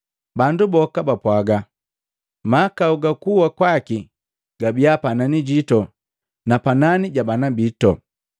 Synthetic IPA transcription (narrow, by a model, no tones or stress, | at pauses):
bandubɔkabapwaɡa | makauɡakuwakwaki | ɡ̥abiapananiɟitɔ | napananiɟabanabitɔ